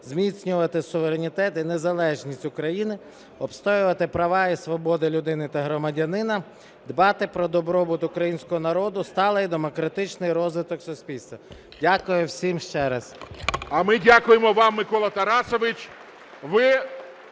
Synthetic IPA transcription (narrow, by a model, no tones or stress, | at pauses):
zmʲit͡sʲnʲʊʋɐt̪ɪsʊʋeɾenʲit̪ɛt̪inezɐlˠɛʒnʲisʲtʲʊkɾɐjinɪ | ɔpst̪ɔjʊʋɐt̪ɪpɾɐʋɑisʋɔbɔd̪ɪlʲʊd̪ɪnɪt̪ɐɦɾɔmɐdʲɐnɪnɐ | d̪bɑt̪ɪpɾɔd̪ɔbɾɔbʊt̪ʊkɾɐjinʲsʲkɔɦɔnɐɾɔd̪ʊst̪ɑlˠɐjd̪emɔkɾɐt̪ɪt͡ʃnɪjɾɔzʋɪt̪ɔksʊsʲpʲilʲst̪ʋɐ | dʲakʊjʊwsʲimʃt͡ʃɛɾɐsɐmɪdʲakʊjemɔʋɑmːɪkɔlˠɐt̪ɐɾɑsɔʋɪt͡ʃʲ | ʋɪ